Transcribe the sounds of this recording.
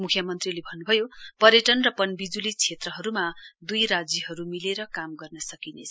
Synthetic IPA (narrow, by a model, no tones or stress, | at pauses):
mukʰjʌmʌnt̪rilebʱʌnːubʱʌjopʌɾjʌʈʌnrʌpʌnbid͡zulit͡sʰet̪rʌɦʌɾumad̪ujɾad͡zjʌɦʌɾumileɾʌkamɡʌrnʌsʌkinḛt͡sʰʌ